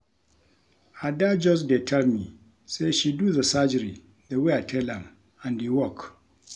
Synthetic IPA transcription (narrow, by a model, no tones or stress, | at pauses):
hadad͡ʒɔs̬detʰalmi | seʃiduːzasad͡ʒɪɾi | daweatʰɛlam | ʔandiwɔk